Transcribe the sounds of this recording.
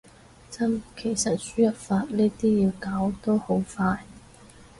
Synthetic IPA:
t͡sɐ˥mkʰe˨˩jsɐ˨t̚syː˥jɐ˨˥t̚faː˧t̚niː˥t̪iː˥jiː˧wkaː˨˥wt̪oː˥ho˨˥wfaː˧j

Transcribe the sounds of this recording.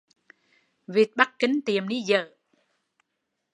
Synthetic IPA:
vi˨˩t̚ɓa˦˥k̚kï˨˦ŋ̟t̪i˨˩əmni˨˦zə̰ː˧˨

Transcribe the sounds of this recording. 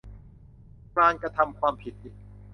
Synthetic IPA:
kɾaː˧ŋkɾa˧t̪ʰa˧mkʰwaː˧mpʰi˨˩t̪̚ʔiː˨˩k̚

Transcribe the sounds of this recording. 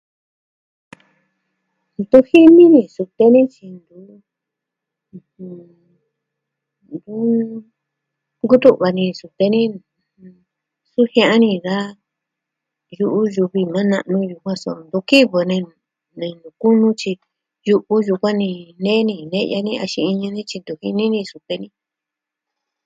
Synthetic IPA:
nd̪u˦hi˦nĩ˦nĩ˧˨su˧t̪e˧nĩ˦t͡ʃi˧nd̪u˧˦˧ | hũ˧ | nd̪u˦ | ŋɡu˦t̪u˦ʔβa˧nĩ˧su˧t̪e˧nĩ˦˨˧ | su˦hj̃ã˧ʔa˦nĩ˧ða˦ | ju˧ʔu˦ju˧βi˧mã˦nã̰˧ʔnũ˧ju˧kʷã˦so˧nd̪u˧˦ki˦βo˧nẽ˧ | nẽ˧nũ˨ku˦nũ˦t͡ʃi˧ | ju˧ʔu˦ju˧kʷã˦nĩ˧nẽ˦nĩ˧nẽ˦ja̰˧nĩ˦˧a˧ʃĩ˧i˧ɲã˧nĩ˦t͡ʃi˧nd̪u˧hi˧nĩ˦nĩ˧su˧t̪e˧nĩ˦

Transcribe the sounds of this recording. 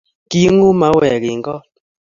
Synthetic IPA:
ki˦ŋu˦ma˨˦wɛ˨ki˨ŋɡɔ˦

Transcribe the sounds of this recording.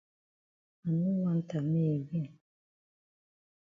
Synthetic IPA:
a˨nu˦wa˦n̩˦ta˨me˦˨ɣe˦˨

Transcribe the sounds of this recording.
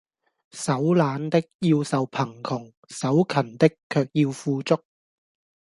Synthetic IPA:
sɐ˨˥wlaː˨˧nt̪ɪ˥k̚ji˧wsɐ˨wpʰɐ˨˩ŋkʰʊ˨˩ŋ | sɐ˨˥wkʰɐ˨˩nt̪ɪ˥kʰːœː˧k̚jiː˧wfuː˧t͡sʊ˥k̚

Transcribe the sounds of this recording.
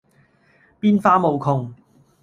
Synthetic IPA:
piː˥nfaː˥mo˨˧wkʰʊ˧ŋ

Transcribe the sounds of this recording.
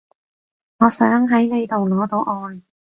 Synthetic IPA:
ŋɔː˨˧sœː˨˥ŋɦɐ˨˥jne˨˧jt̪o˨wlɔː˨˧t̪o˧wʔɔː˧j

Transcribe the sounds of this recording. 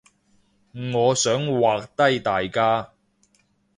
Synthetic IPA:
ŋɔː˨˧sœː˨˥ŋwaː˨k̚t̪ɐ˥jt̪aː˨jkaː˥

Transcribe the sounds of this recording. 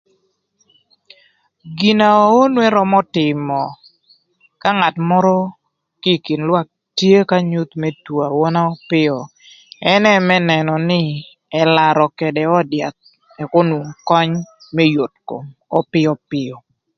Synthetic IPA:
ɡi˨na˨˦o˦nwɛ˦ɾɔ˦mɔ˦tɪ˨mɔ˨ | ka˦ŋa˨tmɔ˦ɾɔ˦ | ki˦˨ki˨nlwa˦k̚ | tje˦ka˦ɲu˦t̪mɛ˦twa˨wɔ˦na˦ɔ˦pɪ˦ɔ˨ | ɛ˦nɛ˦mɛ˦nɛ˨nɔ˨nɪ˦ | ɛ˨la˨ɾɔ˨kɛ˨dɛ˨ɔ˦dja˨t̪̚ | ɛ˨kɔ˦nu˨ŋkɔ˦ɲ | mɛ˦jo˨t̚ko̰˨mɔ˦pɪ˦ɔ˦pɪ˦ɔ˨

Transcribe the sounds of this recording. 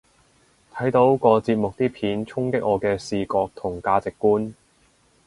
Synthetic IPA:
t̪ʰɐ˨˥jt̪o˨˧wkɔː˧t͡siː˧p̚mʊ˨k̚t̪iː˥pʰiː˨˥nt͡sʰʊ˥ŋkɪ˥k̚ʔɔː˨˧kɛː˧siː˨kɔː˧k̚t̪ʰʊ˨˩ŋkaː˧t͡sɪ˨kːuː˥n

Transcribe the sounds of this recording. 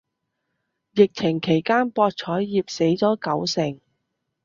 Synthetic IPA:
jɪ˨k̚t͡sʰɪ˨˩ŋkʰe˨˩jkaː˥npɔː˧t̚t͡ʃʰɔː˨˥jːiː˨˩p̚se˨˥jt͡sɔː˨˥kɐ˨˥wsɪ˨˩ŋ

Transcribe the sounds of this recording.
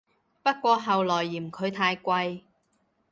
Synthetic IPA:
pɐ˥t̚kʷɔː˧ɦɐ˨wlɔː˨˩jːiː˨˩mkʰɵ˨˧ɥt̪ʰaː˧jkʷɐ˧j

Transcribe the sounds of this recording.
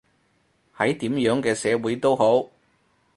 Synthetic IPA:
hɐ˨˥jt̪iː˨˥mjœː˨˥ŋkɛː˧sɛː˨˧wuː˨˥jt̪o˥who˨˥w

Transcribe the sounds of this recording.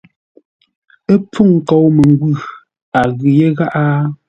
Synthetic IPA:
e˦p͡fu˦˨ŋ̩˨kɔ˨wme˨ŋ˦ɡwʉ˦˨ | a˨ɣʉ˨je˦ɣa˦ʔa˦

